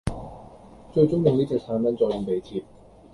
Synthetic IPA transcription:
t͡ʃɵ˧ɥt͡sʊ˥ŋjʊ˨ŋniː˥t͡sɛ˨k̚sʰaː˨˥nmɐ˨˥nt͡sɔː˧jʊ˨˧˩ŋpe˨˧jt͡sʰiː˧p̚

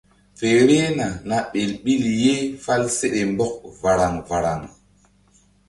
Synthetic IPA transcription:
fe˨ɾe˦na˨na˨ɓe˨lɓi˦lje˦fa˦lse˦ɗe˨mbɔ˦k̚va˨ɾa˨ŋva˨ɾa˨ŋ

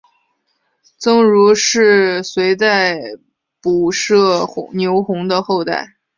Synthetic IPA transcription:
t͡sɤ˥ŋɻu˧˥ʂɻ̩˥˩swe˧˥ɪt͡sa˥˩ɪ | pu˨˩ʂɤ˥˩ʊ˧˥njo˧˥ʊxʊ˧˥ŋd̪ə˧xo˥˧ʊt̪a̰˥˩ɪ

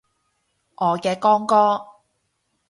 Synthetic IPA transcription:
ʔɔː˨˧kɛː˧kɔː˥ŋkɔː˥

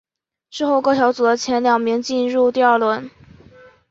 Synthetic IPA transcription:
ʂɻ̩˥˧xo˥˧ʊkɤ˥˩ɕjɑ˧˥ʊt͡su˨˩d̪ə˦t͡ɕʰjɛ˧˥nljɑ˨˩ŋmi˧˥ŋt͡ɕi˥˧nɻu˥˧t̪i˥˧ɐ˞˥˧lwə˥˩n

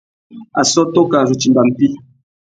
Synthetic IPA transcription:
a̰˨sɔ˦to˦ka˨zu˨t͡ʃi˨mba˨m̩˦˨pi˦

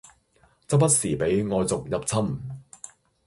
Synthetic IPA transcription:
t͡sɐ˥p̚pɐ˥t̚siː˨˩pe˨˥jŋɔː˨˧jt͡sʊ˨k̚jɐ˨p̚t͡sʰɐ˥m

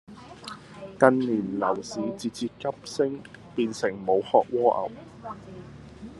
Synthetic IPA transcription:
kɐ˧nliː˨˩nlɐ˨˩wsiː˨˥t͡siː˧t͡siː˧kːɐ˥p̚sɪ˥ŋpiː˧nsɪ˨˩ŋmo˨˧whɔː˧k̚wɔː˥ʔɐ̰˨˩w

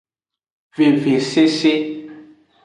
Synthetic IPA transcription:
ve˨ve˨se˦se˦

